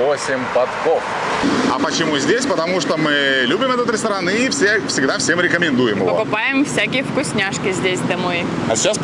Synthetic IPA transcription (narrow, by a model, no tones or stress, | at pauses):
osʲɪmʲbɐt̪kof | ɐpət͡ɕɪmuzʲdʲesʲpət̪ɐmuʂt̪omɨlʲubʲɪmɛt̪ət̪ɾʲɪst̪ɐɾanɨifsʲefsʲɪɡd̪afsʲemɾʲɪkəmʲɪnd̪ujɪmɨ̰vpəokʊpajɪmfsʲækʲɪjəfkʊsʲnʲaʂkʲɪzʲdʲesʲd̪ɐmo̞j | ɐsʲɪt͡ɕas